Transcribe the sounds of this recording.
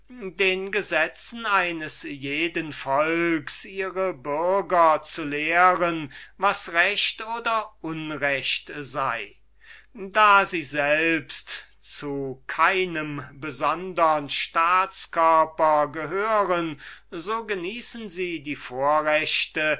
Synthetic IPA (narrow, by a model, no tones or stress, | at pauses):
deːnɡəzɛt͡sn̩aɪnəsjeːdənfɔlksiːʁəbʏɐɡɐt͡suleːʁənvasʁɛɕtoːdɐʔʊnʁɛʃtzaɪ | daːziːzɛlpstt͡sukʰaɪnəmbəzɔndəʁənʃtaːt͡skœɐpɐɡəɦøːʁənzoːɡəniːsn̩ziːdiːfoːɐʁɛʃtə